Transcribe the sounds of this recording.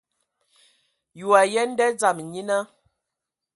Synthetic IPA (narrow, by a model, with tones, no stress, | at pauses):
ju˨a˨jɛ˦n̩˦dɛ˦d͡za˨m˨ɲi˦na˦